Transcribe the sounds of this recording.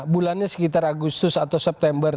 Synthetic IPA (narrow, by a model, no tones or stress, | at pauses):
bulanɲasə̥kit̪araɡust̪ʊsat̪awsɛp̚t̪ɛmbər